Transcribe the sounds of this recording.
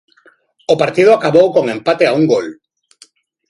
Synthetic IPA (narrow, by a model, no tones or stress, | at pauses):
opaɾt̪ið̞ʊakaβowkoŋẽmpat̪eauŋɡol